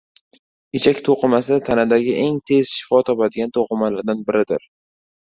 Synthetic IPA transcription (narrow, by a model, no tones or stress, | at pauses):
et͡ʃʰakʲt̪ʰoqʰɨmasat̪ʰanad̪aɡʲɪʔe̞ŋt̪ʰe̞z̥ʃɪ̥fɒt̪ʰɒpad̪ɪɡʲant̪ʰoqʰɨmalaɾd̪anbɪɾɪd̪ɪ̰ɾ